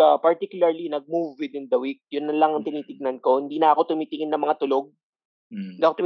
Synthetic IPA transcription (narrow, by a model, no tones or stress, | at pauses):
apɐɹt̪ikjʊlɐɹlinɐɡ̚muvwɪd̪ɪnd̪ɐwik̚jʊnːɐlɐŋɐŋt̪ɪniːt̪ɪɡ̚nɐnko̞hɪnd̪iːnɐʔɐko̞t̪ʊmiːt̪ɪŋɪnːɐmɐŋat̪ʊloɡ̚ | nd̪iːɐkot̪ʊm